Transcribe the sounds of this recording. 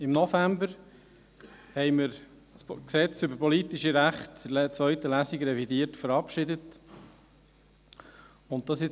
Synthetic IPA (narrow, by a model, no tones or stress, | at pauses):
ɪmnɔfæmbəɾ | hɛɪmɪɾ | sksɛt͡sʏbəɾpʰɔlitiʃiɾæχtt͡sʋœʏtəlæsiɡɾɛvidiətfəɾɑpʃɪdət | ʊnttːɑsɪ